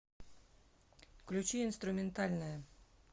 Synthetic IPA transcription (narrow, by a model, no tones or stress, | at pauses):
klʉt͡ʃyɪnst̪ɾʉmɛnt̪ɑlnə